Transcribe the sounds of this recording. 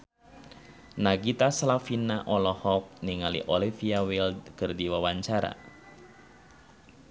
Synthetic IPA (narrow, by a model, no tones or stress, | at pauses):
naɡit̪aslafinaʔɔlɔhɔk̚niŋalḭʔɔlifiawɪld̪kərdiwawaɲt͡ʃaɾa̰